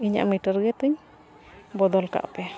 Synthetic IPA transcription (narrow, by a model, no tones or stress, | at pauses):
iɲa̰ʔmiʈəɾɡɛt̪ɨɲ | bɔd̪ɔlka̰ʔpɛ